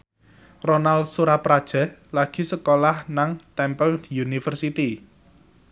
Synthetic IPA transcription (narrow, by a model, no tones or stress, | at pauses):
ronalsuɾapɾad̥ʒ̥a̤laɡ̥i̤səkolahnaŋt̪ɛmpəld̪̥iunifərsit̪i